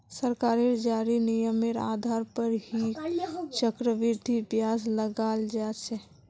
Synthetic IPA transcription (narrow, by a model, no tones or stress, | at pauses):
səɾkaːɾeɾd͡ʒaːɾinijəmeɾa̰ːd̪ʱaːɾpəɾhit͡ʃəkɾəʋɪɾd̪ʱibjaːsləɡaːld͡ʒaːt͡ʃʰɛ